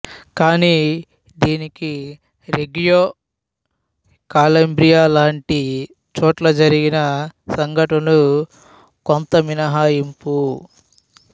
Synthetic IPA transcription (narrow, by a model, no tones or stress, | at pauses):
kaːniː | d̪iːniki | ɾeɡijoː | kaːlɐmbɾijaːlaːɳʈi | t͡ʃɔːʈlɐd͡ʒɐɾiɡinɐsɐŋɡʱɐʈɐlu | kont̪ɐminɐɦaːjimpu